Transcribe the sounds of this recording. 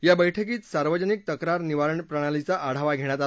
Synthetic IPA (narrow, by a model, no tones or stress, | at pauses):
jabəjʈʰəkiːt̪saɾʋəd͡ʑənik̚t̪əkɾaɾniʋaɾəɳpɾəɽ̃alit͡saʔaɽ̤aʋaɡʱeɳ̃jat̪a